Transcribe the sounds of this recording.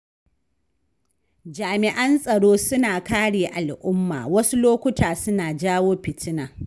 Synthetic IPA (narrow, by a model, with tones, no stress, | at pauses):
d͡ʒaː˨mɪ˨ʔɐ˦nsʼɐ˨ɽoː˦sʊ˦naː˨kaː˦ɽeː˨ʔa˨lʔʊ˦mːa̰ː˨wɐ˦su˦loː˦kʷʊ˦tʰaː˨sʊ˦naː˨d͡ʒaː˦woː˦pɪ˨tɪ˦naː˨